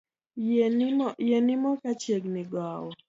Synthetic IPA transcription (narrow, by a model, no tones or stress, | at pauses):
jenɪmɔkat͡ʃjeɡnɪɡawɔ